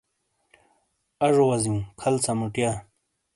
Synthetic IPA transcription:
ɐʐowɐziũkʰɐlt͡samuʈjaː

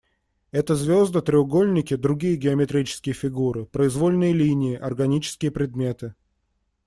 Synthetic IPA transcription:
ɛt̪əzvʲo̞zd̪ət̪ɾʲɪʊɡo̞lʲnʲɪkʲɪd̪ɾʊɡʲijəɡʲɪəmʲɪt̪ɾʲit͡ɕɪ̥skʲɪjəfʲɪɡuɾɨpɾəɪzvo̞lʲnɨjəlʲinʲɪjɪʔɐrɡɐnʲit͡ɕɪ̥skʲɪjəpɾʲɪd̪mʲe̞t̪ɨ

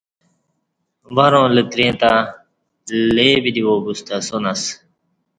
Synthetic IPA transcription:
ʋaɾõːlət̪ɾẽːt̪a | leːbid̪iwoːbust̪asonas

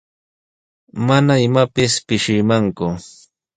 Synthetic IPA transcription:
manaɪmapɪspɪʃɪmaŋkʊ

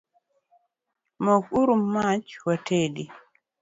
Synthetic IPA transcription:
mokuɾumːat͡ʃwatʰedi

